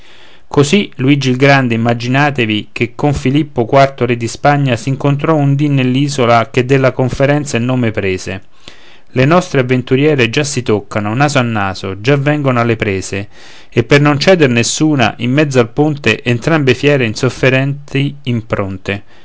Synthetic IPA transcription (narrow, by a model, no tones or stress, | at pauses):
kosiluid͡ʒilɡɾand̪eimːad͡ʒinaːt̪evikekʰːoɱfilipːokwart̪oɾed̪ːispaɲːasiŋkont̪ɾɔund̪inːelːiːzolak̟ed̪ːelːakoɱfeɾɛnt̪sailnoːmepɾeːze | lenɔst̪ɾeavːent̪uɾjɛːɾed͡ʒasːit̪okːanonaːzoanːaːzod͡ʒavːɛŋɡonoalːepɾɛːze | epːernont͡ʃɛːd̪eɾnesːuːna̰ʔimːɛd̪zːoalpunt̪eʔent̪ɾambefjɛːɾeinsofːeɾɛnt̪iimpɾont̪e